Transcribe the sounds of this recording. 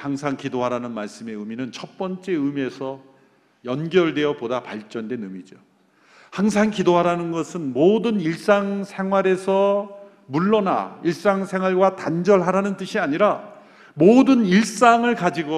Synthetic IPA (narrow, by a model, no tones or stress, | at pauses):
haŋsʰaŋkidoɦaɾanɯnmaɭs͈ɯme̞ɯminɯnt͡ɕʰʌt̚p͈ʌnt͡ɕ͈e̞ɯmie̞sʰʌ | jʌnɡjʌɭdwe̞ʌpodapaɭt͡ɕ͈ʌndwe̞nɯmid͡ʑo | haŋs̬ʰaŋkidoɦaɾanɯnɡʌsʰɯnmodɯniɭs͈aŋsʰe̞ŋwaɾe̞sʰʌ | muɭːʌna̰iɭs͈aŋsʰe̞ŋwaɭɡwatand͡ʑʌɭɦaɾanɯnt͈ɯɕʰiaɲiɾa | modɯniɭs͈aŋɯɭkad͡ʑiɡo